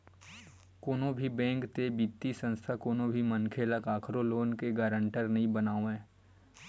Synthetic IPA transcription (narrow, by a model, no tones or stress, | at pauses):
koːnõbʱibɛ̃ːŋkt̪ebiːt̪ːisə̃nst̪ʰakoːnõbʱimənkʰeːləkaːkʰɾoloːnkeɡaːɾə̃ɳʈəɾnɐɦĩbənaːoɛ̃ː